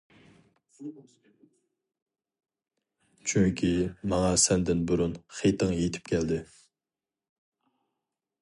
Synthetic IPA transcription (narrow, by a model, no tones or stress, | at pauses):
t͡ʃʰyŋkʲʰimɑŋɑsɛnd̪ɪnbuɾunχejt̪ʰəŋjet̪ʰɪ̥p̚kʲʰɛld̪ɪ